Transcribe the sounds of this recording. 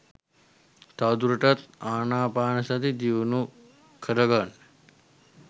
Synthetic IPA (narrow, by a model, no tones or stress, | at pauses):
t̪aːd̪uɾɐʈɐt̪aːnaːpaːnɐsɐd̪id̪iunu | kʰɐɾɐɡan